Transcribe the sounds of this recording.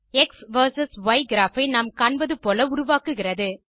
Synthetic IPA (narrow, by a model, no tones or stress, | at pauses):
ɛksʋɐɾsɐsʋɐɪɡɪɾaːfɐɪnaːmkaːɳbɐðɯpoːlɐʊɾʊʋaːkɯɣɪrɐðɯ